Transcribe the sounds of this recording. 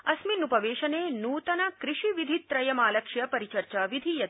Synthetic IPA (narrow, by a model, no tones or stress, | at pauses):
ɐsminupɐʋeːʃɐneːnuːt̪ɐnɐkɾɪʃiʋid̪ʱit̪ɾɐjɐmaːlɐkʂjɐpɐɾit͡ʃɐɾt͡ʃaːʋid̪ʱijɐt̪